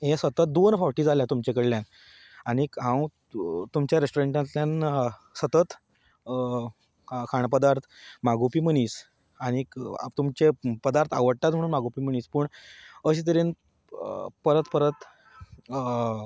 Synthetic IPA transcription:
ɦẽsət̪ət̪̚d̪onfɔɾʈiːd͡zaljat̪umt͡ɕekəɽljan | aɽ̃ikɦãw | t̪umt͡ɕjaɾesʈoɾeɳʈãnt̪ljansət̪ət̪ | kʰaɳpəd̪aɾt̪ʰmaɡopiːm̤əɽ̃iːs | aɽ̃ḭt̪umt͡ɕepəd̪aɾt̪ʰa̰ʋəɽt̪at̪̬m̤əɽ̃uːnmaɡopiːm̤əɽ̃iːspəːɳəɕit̪əɾen | pəɾət̪pəɾət̪

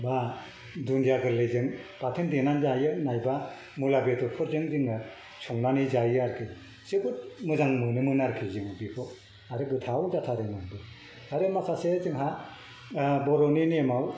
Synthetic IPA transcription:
ba | dunjaɡɯlɯzɯŋpatʰendenanzajɯnajba | mulabetɔɾpʰɔɾzɯŋzɯŋɯ | t͡ʃʰɔŋnanizajaɾkʰɯ | sɯɡut̚mɯzaŋmɯnɯmɯnaɾkʰizɯŋɯbikʰɔ | aɾɯɡɯtʰawzatʰaɾɯnanbɯ | aɾɯmakʰasezɯŋɦa | bɔɾɔninemaw

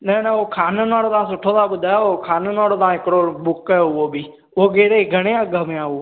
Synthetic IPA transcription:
nɛːnɛoːkʰaːneːnaːɽoːt̪ãːsʊʈʰːoːt̪ãːɓʊd̪aːoːkʰaːnonaːɽoːt̪ãːɪkɽoːɓʊkɛːɦʊʋoːbʱiː | oːɡeːɽeːɡʱəɽ̃jãːɡəmẽaːoː

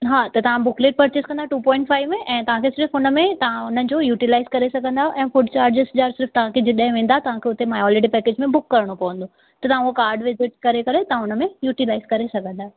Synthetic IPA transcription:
ɦaːt̪ɐt̪ɐʋ̤ãbʊkleːʈ̚pɐɾt͡ɕɪskɐ̃nd̪aɦeʈuːpɔ̃ːɪ̃ɳʈfaːɪʋmẽʔɛ̃ːt̪ɐʋ̤ãkʰesɪɾfʊnəmẽt̪ɐʋ̤ãʊnən̆d͡ʑojuːʈilaːɪzkɐɾesɐɡʱə̃nd̪aɦʔɛ̃ːfʊʈt͡ɕaːɾd͡ʑɪsd͡ʑaːɾsɪɾft̪ɐʋ̤ãkʰed͡ʑɪɗɦɪ̃ʋẽːn̆d̪aɦɛt̪ɐʋãkʰeʊt̪emaːjɔːleʈipɛːkeːd͡ʑmẽbʊkːɐɾəɽ̃opɐʋə̃nd̪o | t̪ɐt̪ɐʋ̤ãuokaːɾɖʋɪzɪʈ̚kɐɾekɐɾet̪ɐʋ̤ãʊnə̆mẽjuːʈilaːɪzkɐɾesɐɡʱə̃nd̪aːɦɛ

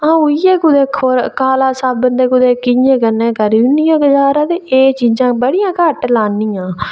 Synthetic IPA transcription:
ãũiːjɛːkʊd̪eːkʰoɾkaːlaːsaːbənd̪eːkʊd̪eːkɪjẽːkənẽːkəɾiːʊnːijãːɡəd͡ʒaːɾãːd̪eːʔeːt͡ʃiːzãːbəɽɪjãːkəʈlaːniːãː

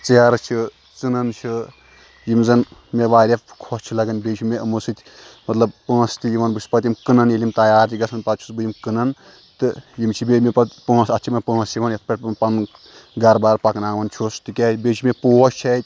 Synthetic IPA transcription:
t͡seːɾt͡ʃʰi | t͡sɨnɐnt͡ʃʰi | jimzɐnmeʋaːɾʲɐfkʰoːst͡ʃʰilɐɡɐnbeːt͡ʃʰimeʔɨmusɨt̪ʲmɐt̪lɐbpɐ̃ːst̪ijiʋɐnbɨspɐt̪imkɨnɐnjilʲimt̪ɐjaːɾt̪ʰiɡɐsʰɐnpɐt̪t͡ʃʰusbɨjimkɨnɐn | t̪ɨjimt͡ʃʰibemʲepɐt̪pɐ̃ːsɐt͡ʃʰimɐnpɐːsjiʋɐnjɐt̪̚ʰpʲɐʈʲpɐn | ɡɐɾbaːɾpɐknaːʋɐnt͡ʃʰost̪ɨkʲaːbʲet͡ʃʰimepoːɔst͡ʃʰɐt̪ʲ

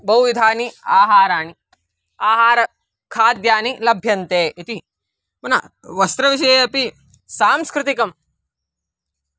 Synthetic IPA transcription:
bɐuʋid̪ʱaːniaːɦaːɾaːni | aːɦaːɾɐ | kʰaːd̪jaːnilɐbʱjɐnt̪eːit̪i | mɐna̰ | ʋɐst̪ɾɐʋiʃ̬ɐjeɐpi | saːmskɾɪt̪ikɐm

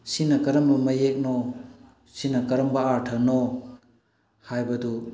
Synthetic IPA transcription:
sinɐkɐɾɐmbɐmɐjek̚no | sinɐkɐɾɐmbɐaɾtʰɐno | hajbɐdu

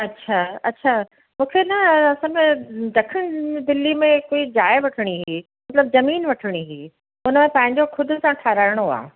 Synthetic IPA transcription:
ɐtːɕʰaːɐtːɕʰaː | mũːkʰenɐɐsãmẽd̪ɐkʰəɽ̃d̪ɪlːimẽkoːid͡ʑaːɪʋɐʈʰəɽ̃iɦiːmɐt̪ləb̚zɐmiːnʋɐʈʰəɽ̃iɦiː | ʊnəmẽpɐ̃ɦɪ̃ɲd͡ʑoxʰʊd̪ʱʊsãʈʰaːɾaːɪɽ̃oa̰ː

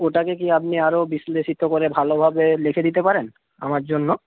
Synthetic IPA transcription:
oʈakekiap̚niaɾobisleʃit̪okoɾebʱalobʱabelekʰed̪it̪epaɾen | a̰maɾd͡ʑonːo

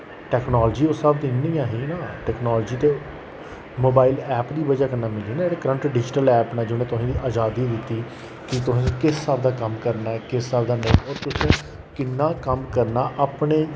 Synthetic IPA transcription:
ʈɛːknaːld͡ʒiːʊsaːbd̪ɪnːiːjãːɦiːnaːʈɛːknaːld͡ʒiːt̪eː | moːbaːɪlɛːpd̪iːbəd͡ʒaːkənːaːmɪliːnaːeːɽaːkəɾəɳʈɾəɖɪːʃnəlɛːpnaːd͡ʒɪnẽːt̪ʊsĩːd̪iːʔaːd͡ʒaːd̪iːd̪ɪt̪ːiː | kɪt̪ʊsĩːkɪsːaːbd̪aːkəmkəɾnaːkɪsːaːbd̪aːnẽːoːɾt̪ʊsẽ | kɪnːaːkəmkəɾnaːʔaːpɳeː

